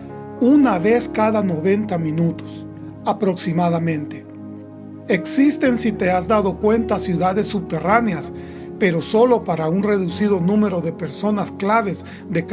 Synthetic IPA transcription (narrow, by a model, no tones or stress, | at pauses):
unaβe̞skaðano̞βe̞nt̪amĩnut̪o̥s | apɾo̞ksimaðamẽnt̪e | eksist̪e̞nsit̪e̞azd̪að̞o̞kwe̞nt̪asjuðaðe̞sːubt̪e̞raneas | pe̞ɾo̞so̞lo̞paɾaunre̞ðusiðo̞nũme̞ɾo̞ðe̞pe̞ɾso̞nasklaβe̞z | ðe̞k